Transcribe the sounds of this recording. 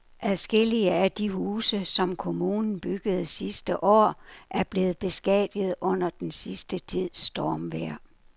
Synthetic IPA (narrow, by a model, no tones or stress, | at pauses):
ʔæðˠsɡ̥e̝l̰iəæd̥iɦuːsəsɒ̽mkʰo̝muːnn̩b̥yɡ̥əð̞̩ˠsisd̥əʔɒ̰ːʔæɐb̥le̝ːð̩ˠb̥e̝sɡ̥ɛ̰d̥ið̞̩ˠʔɔ̽n̰ɐd̥ensisd̥ət͡sʰið̰ˠsd̥ɒːmʋeɐ̰